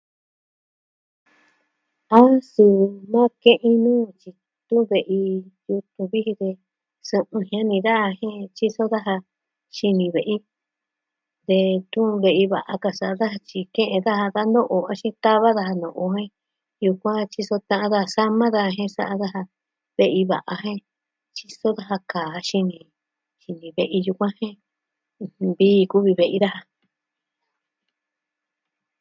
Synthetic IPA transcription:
a˦su˧˨nã˦kẽ˦ʔĩ˧nũː˦t͡ʃi˧ | t̪ũ˦˧βe˧˨ʔi˧ju˧t̪ũ˧βi˦hi˧ðe˧ | sɨ̃˧ʔɨ̃˧ɦj̃ã˦nĩ˧ða˦a˧hẽ˦˧t͡ʃi˦so˦ða˦ɦa˧ | ʃi˧nĩ˧βe˨ʔi˦ | d̪e˧t̪ũ˦˧βe˧˨i˧βa˨ʔa˧ka˧sa˨a˧ða˦ɦa˧t͡ʃi˧kẽ˦ʔẽ˧ða˦ha˧ða˦nd̪õ˦ʔo˧a˦ʃĩ˦t̪a˦βa˦ða˧ha˧nõ˨ʔo˧ɦẽ˦ | ju˧kʷã˦t͡ʃi˧so˧t̪ã˧ʔã˧ða˦ha˧sa˦mã˦ða˦ha˧ɦẽ˦sa˧˦ʔa˧ða˦ɦa˧ | βe˧ʔi˧βa̰˨ʔa˧ɦẽ˦ | t͡ʃi˧so˦ða˦ɦa˧kaː˨˧ʃi˧nĩ˧ | ʃi˧nĩ˨βe˧ʔi˧ju˧kʷã˦hẽ˦˧ | βiː˦˧ku˦βi˧βe˧ʔi˧ða˦ha˧

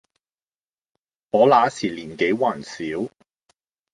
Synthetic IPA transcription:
ŋɔː˨˧laː˨˧˥siː˨˩liː˨˩nke˨˥jwaː˨˩nsiː˨˥w

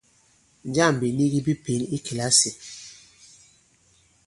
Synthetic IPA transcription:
n˨˦d͡ʒa˦˨m˨bi˨ni˦ɡi˦bi˦pe˨˦ni˦ki˨la˦si˨

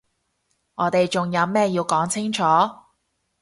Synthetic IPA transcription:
ŋɔː˨˥t̪e˨jt͡ʃʊ˨ŋjɐ˨˧wmɛː˥jiː˧wkɔː˨˥ŋt͡sʰɪ˥ŋt͡ʃʰɔː˨˥

